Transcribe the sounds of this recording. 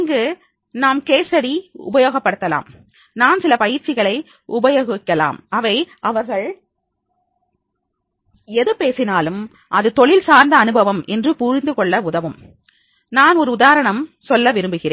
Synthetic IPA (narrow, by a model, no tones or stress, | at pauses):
ŋɡɯ | naːmkeːsɐɽiʊ̰bɐjoːɣɐpːɐɽɯt̪ːɐla̰ːm | naːnsɪlɐpɐjɪɾt͡ʃːɪɣɐɭɐɪ | ʊbɐjoːɣɪkːɐla̰ːmɐʋɐɪʔɐʋɐɾɣɐɭ | ɛðɯpeːsɪnaːlɯm | ʔɐðɯt̪ɔɭɪlsaːɾnd̪ɐːnɯbɐʋɐmɛndrɯpʊɾɪnd̪ɯkɔɭːɐʊðɐʋɯm | naːnɔɾɯʊðaːɾɐɳɐmsɔlːɐʋɪɾɯmbɯɣɪɾeːn